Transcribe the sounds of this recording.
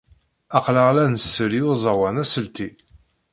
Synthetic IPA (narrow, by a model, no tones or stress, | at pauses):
ɑqləʁlænəsːəɾiuzˤɑwænæsəlt̪i